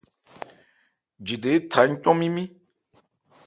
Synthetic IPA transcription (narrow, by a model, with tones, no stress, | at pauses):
d͡ʒi˨de˨˦tʰa˨˦ɲ̩˦t̪ɔ̃˦mĩ˦mĩ˦